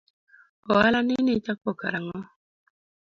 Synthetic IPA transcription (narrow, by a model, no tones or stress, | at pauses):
ɔalaninit͡ʃakɔka̰ɾaŋɔ